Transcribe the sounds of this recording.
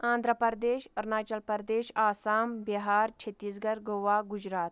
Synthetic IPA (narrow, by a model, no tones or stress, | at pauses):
ãːnd̪ʱɾəpɐɾd̪eːɕɐɾnaːt͡ʃɐlpɐɾd̪eːʃaːsaːmbiɦaːɾt͡ʃʰet̪iːsɡɐɾɡoʋaɡud͡ʑɾaːt̪̚